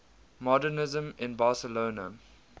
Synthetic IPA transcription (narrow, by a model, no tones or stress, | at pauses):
mɔdənɪzə̃mɪ̃nbɑːsəloːnə̰